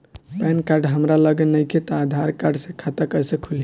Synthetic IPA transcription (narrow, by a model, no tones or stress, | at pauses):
pɛnkaɾɖɦəmɾaləɡenəjkʰet̪ɔad̪ʱaɾkaɾɖsẽkʰat̪əkəjsekʰuli